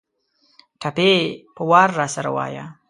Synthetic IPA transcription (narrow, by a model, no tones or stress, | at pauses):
ʈʰapepəwɑːɾːaːsaɾa̰wa̰ːja̰